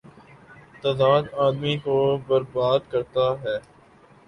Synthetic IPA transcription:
t̪aːd̪aːd̪aːd̪mikobəɾbaːd̪kɐɾt̪aɦɛː

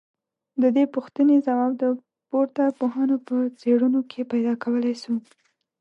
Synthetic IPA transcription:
d̪əd̪epuxt̪ənezawɑbd̪ə | poɾt̪apoɦɑnopət͡seɽunokʰepajd̪ɑkʰawəlajsu

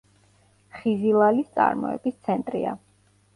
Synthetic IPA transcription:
χizilˠalist̪sʼa̰ɾmɔ̰ɛ̰bist̪sʰɛnt̪ʼɾḭa

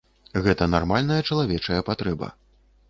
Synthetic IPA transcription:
ɣɛt̪ɐnarmalʲnɐjɐt͡ʂɐlˠavʲɛt͡ʂɐjɐpat̪ɾɛbɐ̰

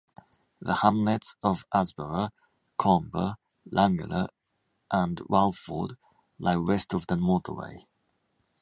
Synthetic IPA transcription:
ðəhãmlɛtsəvʔazbəɹə | kʰɑmbə̰ | lʔãŋɡə̰lə | ʔə̃nɹalˠfə̰d | laɪwɛstəvðəmɔˑtə̰ɹḛɪ

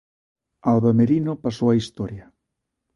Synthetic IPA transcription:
alβameɾinopasowaist̪ɔɾja

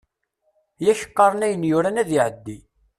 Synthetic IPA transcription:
jæçə̥qːɑɾˤənæjənjʊɾænæðiʕəd̪ːi

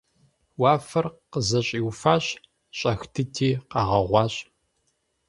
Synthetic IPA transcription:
waːfɐrqəzɐɕʼiːwfaːɕ | ɕʼɐxtʰɨtʰiːqɑʁɐʁʷɑːɕʼ

